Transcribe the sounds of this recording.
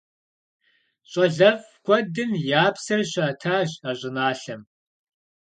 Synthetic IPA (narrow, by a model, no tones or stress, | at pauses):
ɕʼɐɮɐv | kʷʰɔdɨnjaːpsɨrɕʷaːtʰaːɕʼaːʑʷʼɪnaːɬɐm